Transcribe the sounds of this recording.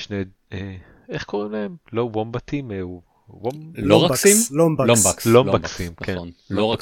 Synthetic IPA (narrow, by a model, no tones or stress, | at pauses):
ʃne | e | eχko̞ʁimlaemlowombat̪ime | womloʁaimlobalobklombaksimkkʰenloʁak